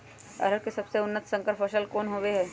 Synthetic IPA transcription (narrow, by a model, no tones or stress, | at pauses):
ɐ̰ɾəɾkesɐbseʊnːət̪sə̃ŋkəɾpʰɐʃəlkɔːnɦoːweɦɛː